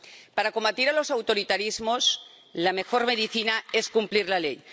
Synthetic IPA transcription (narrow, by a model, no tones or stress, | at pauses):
paɾako̞mbat̪iɾalo̞sawt̪o̞ɾit̪aɾizmos | lame̞xoɾmeðiθinaeskumpliɾlalej